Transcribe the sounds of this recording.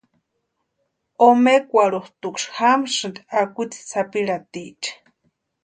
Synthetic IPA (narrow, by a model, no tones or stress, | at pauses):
omekʷaɺuht̪ukʂhamʂɨnd̪akʷut͡si̥t͡sapiɺat̪it͡ʃ